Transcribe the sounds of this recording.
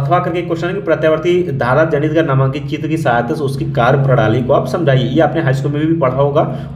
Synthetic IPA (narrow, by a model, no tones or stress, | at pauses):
ɐt̪ʰʋakɐɾkekːoɾʃənkipɾɐt̪jaʋəɾt̪id̪ʱaːɾad͡ʒɐnit̪ɡanamãːkit͡ʃiːt̪kisaajt̪əsʊskikaːɾjpɾɐɽaːlikoabsɐ̃md͡ʒʱaːiejeɐpneɦaːjskuːlmẽbʱibʱipɐɽ̤aɦoːɡaː